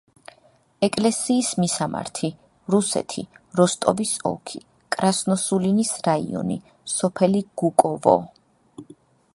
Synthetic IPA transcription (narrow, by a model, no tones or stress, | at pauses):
ɛkʼlɛsiːsmisama̰ɾt̪ʰi | ɾusɛ̰t̪ʰi | ɾɔst̪ʼɔbisɔ̰kʰi | kʼɾasnɔsulinisɾaḭɔ̰nḭ | sɔpʰɛliɡ̥ukʼɔvɔ̰